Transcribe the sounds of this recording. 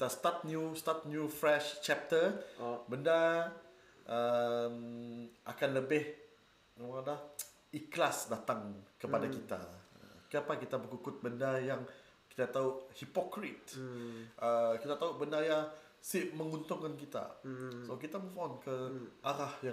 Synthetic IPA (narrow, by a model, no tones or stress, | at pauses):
kit̪ast̪at̪̚njust̪at̪̚njufɾɛʃt͡ʃɛp̚t̪əbənda | ʔəmʔakanləbɪh | emada | iklasdat̪aŋkəpadakit̪a̰ə̰kəapakit̪abəkukʊt̪̚bəndajaŋ | ki̥t̪at̪auhipɔkɾit̪̚ | ʔəkit̪at̪auʔbəndaja | simə̃ŋunt̪ʊŋkankit̪a̰sok̬it̪aməfɔnkəʔaɾahja